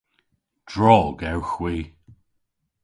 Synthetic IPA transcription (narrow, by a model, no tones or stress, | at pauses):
d̥ɹɔːɡɛwxwiː